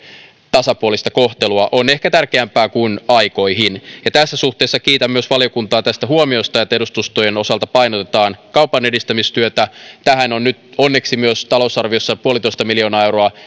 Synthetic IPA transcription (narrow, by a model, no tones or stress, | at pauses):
t̪ɑsɑpuolist̪ɑko̞ht̪eluɑʔo̞ne̞hkæt̪ærkeæmpæːkunɑjko̞iɦinjɑt̪æsːæsuht̪eːsːɑkiːt̪æmːyøsʋɑlio̞kunt̪ɑːt̪æst̪æɦuomio̞st̪ɑjɑt̪ːeɾust̪ust̪ojeno̞sɑlt̪ɑpɑjnot̪et̪ɑːnkɑwpɑne̞dist̪æmist̪yøt̪æt̪æhæno̞nnyt̪onːe̞ksimyøst̪ɑlo̞sɑrʋio̞sːɑpuolit̪oist̪ɑmilio̞ːnɑːe̞wɾoɑ